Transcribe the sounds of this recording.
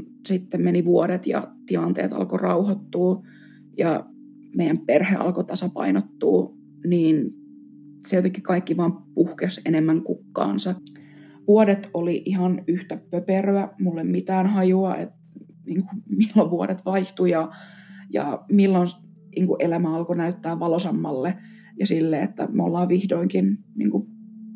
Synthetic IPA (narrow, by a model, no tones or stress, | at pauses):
sit̪ːemmeniʋuoɾet̪jɑ̰t̪ilɑnt̪ḛːt̪ɑ̰lkorɑuhɑt̪ːuː | jɑ̰ | meijˑæmperhḛːʔɑ̰lkot̪ɑsɑpɑ̰inot̪ːuː | niːn | sejot̪ekːikɑikːiʋɑːmpuhkesenemːæŋkukːɑ̰ːnsɑ | ʋuoɾet̪oliʔihɑnyht̪æpøperøæmulːemmit̪æːnhɑjuɑḛt̪ | niːŋkumilːoʋʋuoɾet̪ʋɑiht̪ujɑjɑ̰milːon | niːŋkuʔelæmæɑlkonæyt̪ːæːʋʋɑlosɑmːɑlːe | jɑsilːeːḛt̪ːæ̰mo̰lːɑːʋʋihdoiŋkinnḭːŋku